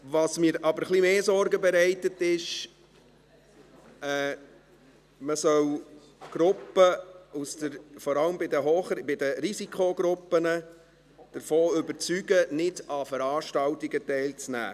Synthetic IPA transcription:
ʋɑsmiːɾʔɑbəɾχlimeːsɔɾɡəbɛɾæɪtətɪʃ | ɛː | məsœw | ɡ̥ɾʊpːəusd̥əɾfɔɾɑləmbɪdəɦoːχbɪdəɾisikχoɡɾʊpːənə | d̥əɾfoːʏbəɾt͡syɡənɪdɑfəɾɑːʃtɑltiɡətɛɪlt͡snæ̰ː

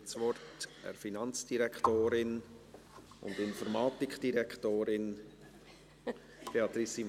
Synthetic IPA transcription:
t͡sʋɔrtɛ̰ɾfinɑnt͡sd̥iɾɛktoːɾɪn | ʊ̰ndɪnfɔɾmɑːtɪkʰd̥iɾɛkχtoːɾɪn | b̥eɑt̪ɾisi

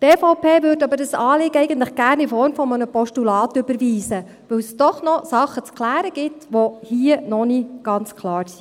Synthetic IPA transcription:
teːfɔʊpʰeːʋʏːɾdɑbəɾdəsɑːlɪɡəɛɪɡən̩t̪ləχɡ̥æːɾnifɔɾmfɔmənəpɔʃtulɑːt̪ʏbəɾʋiːzə | ʋɵwsd̥ɔχnɔsɑχːət͡sklæːɾəɡ̥ɪtʋɔhiənɔniɡ̥ɑnt͡skʰlˠɑːɾsi

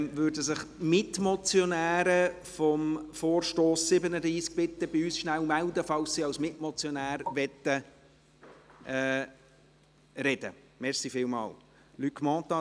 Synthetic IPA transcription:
ʋøːɾdəsɪχmɪtmɔt͡sjɔnæːɾə | fɔmfoːɾʃtoːsːɪbənəd̪ɾiːsk̚pɪt̪əb̥ɪyːsʃnæwmæld̪əfɑlssiːɑwsmɪtmɔt͡sjɔnæːɾʋɛt̪ːə | ɛ | ɾɛd̥̪ə̰ | mɛɾsifɪːlmɑ̰ːl | lykmɔ̃ːt̪ɑ

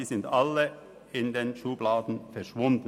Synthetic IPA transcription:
iːzɪndalə | ɪndeːnʃuːblaːdn̩fɛɐʃv̥ʊnd̥n̩

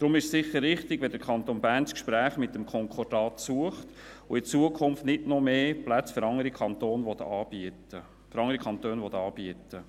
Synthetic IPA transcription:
d̥ɾʊmɪʃsɪχəɾːɪχtɪɡʋɛdəɾkʰɑnt̪onbæːrnskʃpɾæːχmɪtːəmkʰɔŋkʰɔrd̥ɑːtsuəχt | ʊɪt͡suəkʰʊmftnɪdnɔmeːplæt͡sføɾɑŋəɾikʰɑntoːnʋɔt̪ɑːb̥iətə | fɾɑŋəɾikʰɑnt̪øːnʋɔt̪ɑːb̥iətə

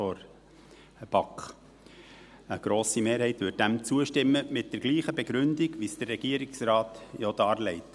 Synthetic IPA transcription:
ɔɾ | əb̥ɑkχ | əɡ̥ɾoːsimeːɾhɛɪtʋʏd̚d̥æmt͡suəʃtɪmːəmɪt̚d̥ɛɾɡ̥liːχəbɛɡɾʉndiɡʋisd̥ərːɛɡ̥iəɾɪksɾɑːtjɔd̥ɑːɾlɛɪt

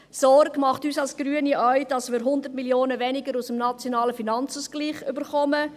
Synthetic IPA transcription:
sɔrɡ̥mɑχtyːsɑlsɡ̥ɾyəniʔœʏd̥ɑsmɪːɾɦʊnd̪ətmiljoːnəvɛnɪɡəɾusəmnɑt͡sjonɑːləfinɑnt͡suːsɡ̥liːχybəɾχɔmə

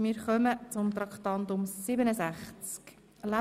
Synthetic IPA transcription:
mɪːɾχœmət͡sʊmt̪ɾɑkt̪ɑnd̪ʊmsɪbənəsæχt͡sk | la

